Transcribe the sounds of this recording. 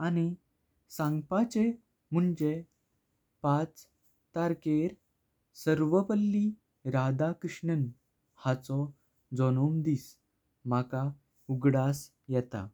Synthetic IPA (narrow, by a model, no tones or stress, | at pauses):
añi | sãŋɡpat͡ɕe | m̤uɳd͡ʑe | pat͡s | t̪aɾkeɾ | səɾʋəpəlːi | ɾad̪akɾəʂɳən | hat͡sɔ | d͡zɔnomd̪iːs | m̤aka | uɡɽas | jɛt̪a̰